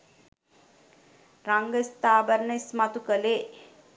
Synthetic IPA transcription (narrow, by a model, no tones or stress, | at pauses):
raŋɡəist̪aːbəɾnəismat̪ukəleː